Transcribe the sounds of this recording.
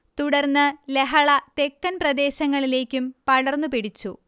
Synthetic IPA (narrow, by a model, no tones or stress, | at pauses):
t̪uɽɐrnːɨleɦɐɭɐt̪e̞kːɐnprɐd̪e̞ːɕɐŋːɐɭile̞ːkʲːumpɐɭɐrnːupiɽit͡ɕːu